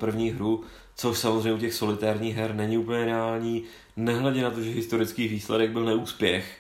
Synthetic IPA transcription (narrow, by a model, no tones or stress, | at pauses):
pr̩vɲiːɦɾu | t͡so̞ʃsamozr̝ɛɲːɛucɛxso̞lɪt̪aːɾɲiːɣɦɛɾnɛɲɪupəɲɛɾɛaːlɲiː | nɛɦlɛɟɛnat̪o̞ʒɛɦɪst̪o̞ɾɪt͡skiːviːslɛdɛɡ̚bɪlnɛuːspjɛx